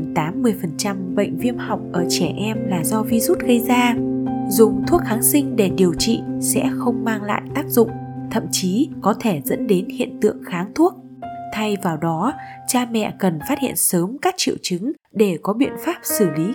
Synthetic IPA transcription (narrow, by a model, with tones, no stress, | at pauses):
t̪aː˨˦mːɨ˨˩əjfə˨˩nt͡ɕa˧mɓə̰˧˨jŋ̟vi˧əmha˨˩wk͡p̚ʔəː˧˩t͡ɕɛ˧˩ʔɛ˧mlaː˨˩zɔ˧vi˧zu˦˥t̚ɣə˧jzaː˧zʊ˨˩ŋ͡mt̪ʰu˦˥ək̚xaː˨˦ŋsï˧ŋ̟ɗe˧˩ɗi˨˩əwt͡ɕḭ˧˨sɛ̰˧˥xə˧wŋ͡mmaː˧ŋla̰ː˧˨jt̪aː˦˥k̚zʊ̰˧˨ŋ͡mt̪ʰə̰˧˨mt͡ɕi˨˦kɔ˨˦t̪ʰe˧˩zə̰˧˥nɗe˨˦nhḭ˧˨ənt̪ɨ̰˧˨əŋxaː˨˦ŋt̪ʰu˦˥ək̚ | t̪ʰa˧jvaː˨˩wɗɔ˨˦t͡ɕaː˧mɛ̰˧˨kə˨˩nfaː˦˥t̚hḭ˧˨ənsəː˨˦mkaː˦˥k̚t͡ɕḭ˧˨əwt͡ɕɨ˨˦ŋ | ɗe˧˩kɔ˨˦ɓḭ˧˨ənfaː˦˥p̚sɨ˧˩li˨˦